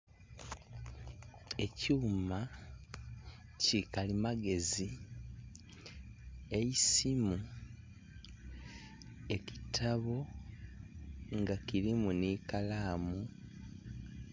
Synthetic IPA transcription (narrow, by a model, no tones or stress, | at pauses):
e̞cuːma | cikalimaɡe̞zi | ejisimu | e̞ci̥tʰaβo̞ | ŋɡakiɾimunikalaːmu